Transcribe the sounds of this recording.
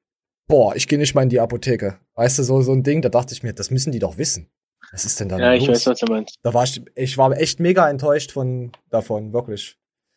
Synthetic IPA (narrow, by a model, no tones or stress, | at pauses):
b̥oːɐʔɪçɡ̥eːənɪç̬tmaɐlɪndiapotʰeːkə | vaɪstuːzoːzoːndɪŋdaːdaχtəɪçmiːɐd̥asmʏsn̩diːdɔχv̥ɪsn̩ | vasɪstd̥ɛndajaɪv̥aɪsvasd̥umaɪnstd̥aːvaːɪçɪçv̥aːɐʔɛçtmeːɡaɛntʰɔʏʃtfɔnd̥afɔnvɪɐklɪç